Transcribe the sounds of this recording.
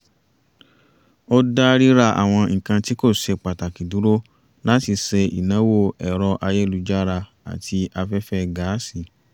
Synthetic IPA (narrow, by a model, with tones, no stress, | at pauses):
o˦da˦ɾi˦ɾa˧˨ʔa̰˨w̃ɔ̃˧ŋ̩˨kã˧ti˦ko˦˨ʃe˧k͡pa˨ta˨ki˨du˨˦ɾo˦ | la˦ti˧se˧ḭ˨nã˨˦wo˦˨ɛ˨ɾɔ˧ʔa˧je˦˨lu˧d͡ʒa˦ɾa˧ | a̰˨tʰi˧a˧fɛ˦fɛ˦ɡa˨˦si˦˨